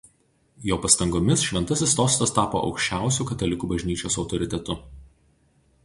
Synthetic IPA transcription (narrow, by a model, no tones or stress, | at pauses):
joːpɐst̪ɐŋɡoːmʲɪsʃʲʋʲɛnt̪ɐsʲɪst̪oːst̪ɐst̪ɑːpo̰ːʔɒ̰ʊkʃʲt͡ʃʲæˑʊsʲuːkɐt̪ɐlʲɪkuːbɐʒʲnʲiːt͡ʃʲoːsɒʊt̪ɔɾʲɪt̪ʲɛt̪ʊ